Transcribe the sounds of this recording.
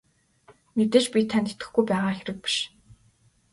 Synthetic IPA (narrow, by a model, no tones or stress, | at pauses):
met̪ĕːt͡ɕpʲit̪ʰant̪et̪ɘ̥̆xɡujpæːʁaːxeɾɘ̆k̚pi̥ʃ